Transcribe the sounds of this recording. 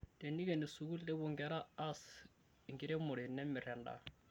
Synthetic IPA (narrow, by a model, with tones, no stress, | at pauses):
te˨ni˦ke˨ni˨su˨ku˦le˦bʊ˨ŋɡɛ˦ɾa˦a˦s | ŋɡɪ˦ɾe˦mʊ˨ɾɪ˨nɛ˦mːɪ˨ɾɛ˨nda̰˨